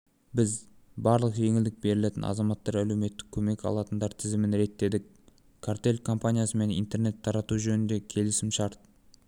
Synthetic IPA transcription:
bɪz | bɑɾlˠəqʒe̞ŋɪld̪ɪk̚be̞ɾɪle̞t̪ɪnʔɑ̰zɑmɑt̪ːɑɾælewme̞t̪ːɪ̥kʲʰːɵme̞kʲɑ̰lˠɑt̪ənd̪ɑɾt̪ʰɪzɪmɪnɾe̞t̪ːe̞d̪ɪk̚ | kʰart̪e̞lʲkʰo̞mpanʲijasəme̞nḭnt̪e̞ɾne̞t̪ʰːɑɾɑt̪uʒɵnɪnd̪e̞kʲʰe̞lɪsɪmʃɑɾt̪

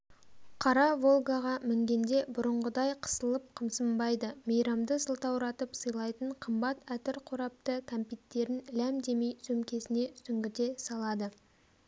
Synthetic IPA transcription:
qʰɑɾɑvo̞lˠɡaʁɑmɪŋɡʲe̞nd̪e̞bʊɾəɴʁəd̪ɑjqʰə̥səlˠəp̚qʰəmsəmbɑjd̪əmejɾɑmd̪əsəlˠt̪ɑwɾɑt̪əpsəjlˠɑjt̪əɴqʰəmbɑt̪æt̪ɪɾqʰoɾɑp̚t̪ət̪ʰɑmpit̪ːe̞ɾɪnlæmd̪e̞me̞jsɵmkʲe̞sɪne̞sʏŋɡʲɪd̪e̞sɑlˠɑd̪ə

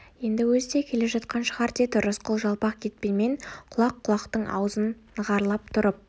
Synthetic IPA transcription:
je̞nd̪ɪwɵzt̪e̞kʲʰe̞le̞ʒɑt̪qɑnʃəʁɑɾt̪ʰet̪ʊɾəsqʰəlˠʒɑlˠpɑqkʲʰe̞t̪̚pe̞nme̞ɴqʰʊlˠɑqʰːʊlˠɑqt̪əɴʔɑ̰wəzənːəʁɑɾlˠɑp̚t̪ʰʊɾəp̚

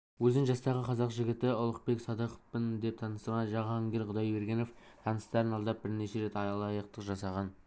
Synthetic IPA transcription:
wɵzɪŋʒɑst̪ɑʁəqʰɑzɑqʒɪɡʲɪt̪ɪʊlˠəq̚pe̞kʲsɑd̪əqə̥fpənd̪e̞p̚t̪ʰɑnəsəɾʁɑnʒɑʁɑŋɡʲeɾʁʊd̪ɑjbe̞ɾɡʲeno̞f | t̪ʰɑnəst̪ɑɾənɑlˠd̪ɑp̚b̥ɪɾneʃe̞ɾe̞t̪ɑjɑlˠɑjəq̚t̪əqʒɑsɑʁɑn

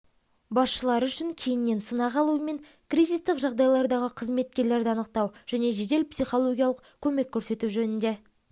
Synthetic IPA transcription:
bɑsʃəlˠɑɾʏʃɪŋkʲʰe̞jɪnːe̞nsənɑʁɑlˠuəme̞ŋ | krizist̪ɪkʒɑʁd̪ɑjlˠɑɾd̪ɑʁəqʰəzme̞t̪̚kʲe̞ɾle̞ɾd̪ɪɑnəq̚t̪ɑwʒ̥æne̞ʒe̞d̪e̞lpsiχo̞lˠo̞ɡʲijɑlˠəq̚kʲʰɵme̞kʲʰːɵɾse̞t̪uʒɵnɪnd̪e̞

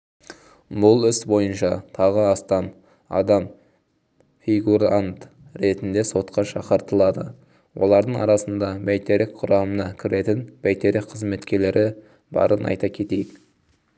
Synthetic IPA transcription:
bʊlˠɪsbo̞jənʃɑt̪ʰɑʁəɑst̪ɑn | ɑ̰d̪ɑm | fʲiɡuɾant̪ | ɾe̞t̪ɪnd̪e̞so̞t̪qʰɑʃɑqəɾt̪əlˠɑd̪ə | wʔo̞̰lˠɑɾd̪əɴɑ̰ɾɑsənd̪ɑbæjt̪eɾɪkqʰʊɾɑmənɑkʲʰɪɾe̞t̪ɪnb̥æjt̪e̞ɾɪkqʰəzme̞t̪kʲe̞ɾle̞ɾʔɪ | bɑ̰ɾʔənɑ̰jt̪ɑkʲʰe̞t̪e̞jɪk

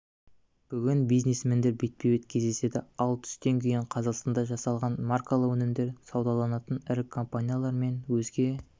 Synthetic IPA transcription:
b̥ʏɡʲɪnbijznesmend̪e̞ɾbe̞t̪̚pewe̞t̪kʲʰe̞zd̪e̞se̞d̪ɪɑlˠt̪ʰʏ̥st̪e̞ŋkʲʰejɪɴqʰɑzɑqst̪ɑnd̪ɑʒɑsɑlˠʁɑnmarkalˠəqwɵnɪmd̪e̞ɾsɑwd̪ɑlˠɑnɑt̪ənɪɾɪkʰːo̞mpanʲijalˠɑɾme̞nwɵzɡʲe̞

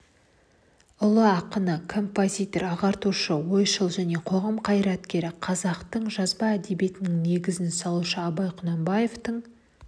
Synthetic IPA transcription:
ʊlˠəɑqənəkʰo̞mpozʲijt̪o̞ɾɑʁɑɾt̪uʃəwo̞jʃəlˠʒæne̞qʰo̞ʁɑmqʰɑjɾɑt̪kʲe̞ɾɪqʰɑzɑqt̪əɴʒɑzbɑæd̪e̞bije̞t̪ɪnɪŋne̞ɡʲɪzɪnsɑlˠuʃəɑbɑjqʰʊnɑmbɑjeft̪əɴ

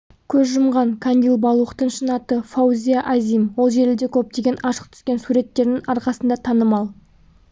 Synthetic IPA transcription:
kʲʰɵzʒʊmʁɑŋkʰand̪ilˠbɑlˠuəqt̪əɴʃənɑt̪əfawzʲijaʔazimwo̞lˠʒe̞ɾɪld̪e̞kʲʰɵp̚t̪e̞ɡʲe̞nɑʃə̥q̚t̪ʰʏ̥skʲe̞nsuɾe̞t̪ːe̞ɾnɪŋɑɾqɑsənd̪ɑt̪ʰɑnəmɑlˠ

